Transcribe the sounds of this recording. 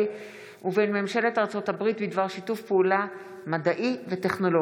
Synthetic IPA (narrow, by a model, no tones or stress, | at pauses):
uvenmemʃele̞taʁt͡so̞thabʁitbidvaʁʃitufpeula | madaʔivete̞χno̞lo